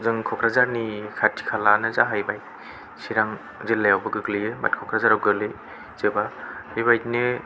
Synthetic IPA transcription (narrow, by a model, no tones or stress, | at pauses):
zɯŋkʰɔkʰɾazaɾnikʰatʰi̥kʰalanɯzaɦajbaj | siɾaŋ | zelːajawbɯɡɯɡlieba̰t̚kʰɔkʰɾazaɾawɡɯlɯ | z̥ebahajbajne